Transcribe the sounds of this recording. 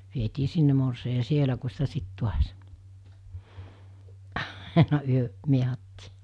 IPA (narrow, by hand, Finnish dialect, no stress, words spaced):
ʋietiː sinːe morsei jɑ sielæ ku sitæ sit tuɑs ɑˑenɑ yøʔ miehɑtːiː